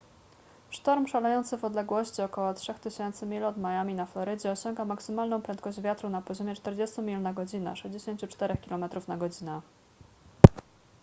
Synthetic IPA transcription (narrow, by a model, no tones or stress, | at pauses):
ʂt̪ɔɾmʂalɛjɔnt̪sɘvɔd̪lɛɡwɔɕt͡ɕiɔkɔwɔtʂɛxt̪ɘɕɛnt̪sɘmʲilɔd̪majamʲinaflɔɾɘd͡ʑɛɔɕɔŋɡamaksɘmalnɔ̃w̃pɾɛnt̪̚kɔʑd͡ʑvʲjat̪ɾunapɔʑɔmʲjɛt͡ʂt̪ɛɾd͡ʑest̪umʲilnaɡɔd͡ʑinɛ̰ʂɛʑd͡ʑeɕeɲt͡ɕut͡ʂt̪ɛɾɛxkʲilɔmɛt̪ɾufnaɡɔd͡ʑinɛ